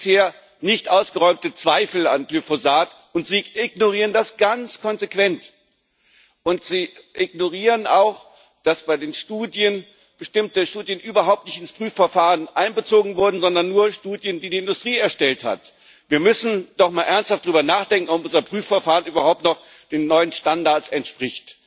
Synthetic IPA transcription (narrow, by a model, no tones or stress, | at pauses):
sheːɐ | nɪçtʔaʊsɡ̥əʁɔʏmtət͡sv̥aɪfl̩a̰nɡlyfozaːtʔʊntz̥iːɪɡ̚noʁ̞iːʁəndasɡ̥ant͡skʰɔnzekv̥ɛnt | ʔʊntz̥iːʔɪɡ̚noʁiːʁənaʊx | d̥asb̥aɪdeːnʃtuːdjən | b̥əʃtɪmtəʃtuːdjənʔyːbɐɦaʊp̚tnɪçtɪnspʁ̥yːfɛɐfaːʁənʔaɪnbət͡soːɡŋ̩vʊɐdn̩zɔndɐnːuːɐʃtuːdjəndiːdiːɪndʊstʁ̥iːɛɐʃtɛltha̰t | viːɐmʏsn̩d̥ɔχmaːlʔɛɐnsthaftd̥aʁyːbɐnaːχd̥ɛŋkŋ̩ɔpʔʊnzɐpʁ̥yːfɛɐfaːʁənʔyːbɐhaʊp̚tnɔχ | d̥eːnːɔʏənʃtandaɐt͡sɛntʃpʁ̥ɪçt